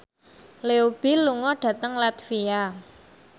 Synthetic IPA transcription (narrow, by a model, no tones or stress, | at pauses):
leub̥iluŋɔɖ̥ä̤t̪əŋlat̪fia